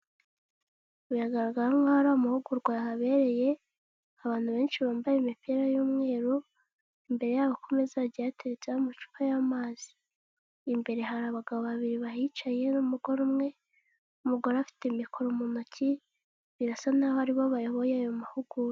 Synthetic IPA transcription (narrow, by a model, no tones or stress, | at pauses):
ujaɡaɾaɡaɾaŋɡohaɾaːmahuɡuɾɡwajahaβe̞ɾe̞je̞ | aβaːn̥huβe̞ːnʃiβaːmbajemipiɾajuːmŋe̞ːɾo | imbe̞ɾe̞jaːβako̞me̞zaɟiateɾet͡seaomat͡ʃu̥kajamaːz̥i̥ː | mbe̞ɾe̞ɦaɾaːβaɡaβoβaβiɾiβahit͡ʃaje̞numuɡo̞ɾumŋe̞ | umuɾɡoɾafi̥temikʰo̞ɾomunoci | βiɾasanahohaɾiβo̞βajoβo̞jajo̞mahuɡu